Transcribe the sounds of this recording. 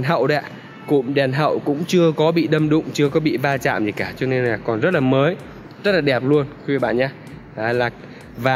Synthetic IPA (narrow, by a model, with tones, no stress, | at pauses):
nɦə̰˧˨wɗɛ̰˧˨ | kʊ̰˧˥ŋ͡mɗɛ˨˩nɦə̰˧˨wkʊ̰˧˥ŋ͡mt͡ɕɨ˧əkɔ˨˦ɓḭ˧˨ɗə˧mɗʊ̰˧˨ŋ͡mt͡ɕɨ˧əkɔ˨˦ɓḭ˧˨vaː˧t͡ɕa̰ː˧˨mzi˨˩kaː˧˩t͡ɕɔ˧ne˧nlaː˨˩kɔ˨˩nzə˦˥t̚laː˨˩məː˨˦j | zə˦˥t̚laː˨˩ɗɛ˨˩p̚lu˧əni˧˦˧i˧˩ɓa̰ː˧˨nɲaː˧ | aː˨˩laː˨˩ | vaː˨˩